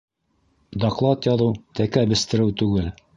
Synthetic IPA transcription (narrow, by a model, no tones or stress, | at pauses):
d̪ɑqlˠɑt̪jɑðɤwt̪ækæbɘ̆st̪ɘ̆ɾɘwt̪ʉɡɘl